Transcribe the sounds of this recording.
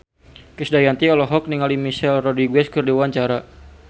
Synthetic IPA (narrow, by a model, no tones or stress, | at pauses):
kɨsdajant̪iɔlɔɦɔk̚niŋalimiʃɛlrɔdiɡwɛskɨrdiwaɲt͡ʃaɾa